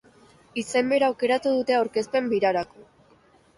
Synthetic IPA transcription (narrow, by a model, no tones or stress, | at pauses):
ise̞mbe̞ɾawke̞ɾat̪uðut̪e̞awɾke̞spe̞mbiɾaɾako̞